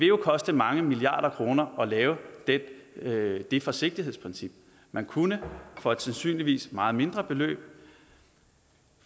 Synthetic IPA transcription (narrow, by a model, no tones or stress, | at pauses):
ʋe̝jo̝kʰɒ̽sd̥əmɑ̈ŋəmiliɑ̰̈ːɾ̥ɐkʰʁo̝ːnɐʔɒ̽lɛːʊəd̥ | d̥e̝fɒ̽se̝ɡ̥̚d̥iɦe̝ð̰ˠspʰʁnsib̥̚ | mænkʰunəfɒ̽ed̥sænsy̰ːnliʋḭːsmɑ̈ːð̩ˠme̝nd̥ʁɐb̥e̝lø̰ːb̥̚